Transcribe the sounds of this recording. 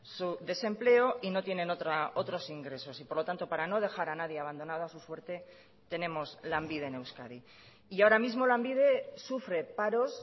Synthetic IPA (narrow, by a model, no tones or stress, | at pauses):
suðe̞se̞mple̞oʔino̞t̪je̞nẽ̞not̪ɾao̞t̪ɾo̞siŋɡɾe̞so̞sipoɾlo̞t̪ant̪o̞paɾano̞ð̞e̞xaɾanaðjeaβ̞and̪o̞nað̞oasuswe̞ɾt̪e̞ | t̪e̞ne̞mo̞zlambiðe̞ne̞wskaði | iaoɾamizmo̞lambiðe̞sufɾe̞paɾo̞s